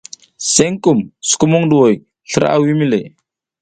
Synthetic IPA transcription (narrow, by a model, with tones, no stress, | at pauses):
se˦ŋku˨msu̥˨ku˦mu˦ŋdu˨wo˨j | ɬə˦ɾa̰˨wi˦mi˦le˨